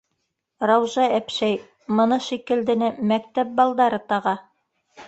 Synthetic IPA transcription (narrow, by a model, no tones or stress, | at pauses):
ɾɑwʒɑæpʃæj | mɤ̆nɤʃikɘ̆ld̪ɘ̆nɘmæk̚t̪æp̚bɑlˠd̪ɑɾɤt̪ɑʁɑ